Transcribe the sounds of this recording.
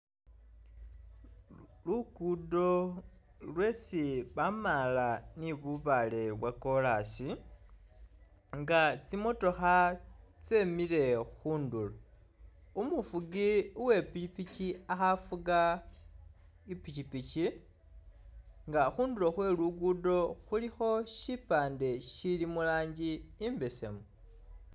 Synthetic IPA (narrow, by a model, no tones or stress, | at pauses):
luɡudo̞ | lwe̞siβamalaniβuβale̞βwako̞lasi | ŋɡat͡simo̞to̞xat͡semile̞xuːndulo | umufuɡiuwe̞piipiciaxafuɡa | ipicipici | ŋɡaxuːndulo̞xwe̞luɡudo̞xulixo̞ʃipaːnde̞ʃilimulaːɲɟiːmbe̞se̞̰mo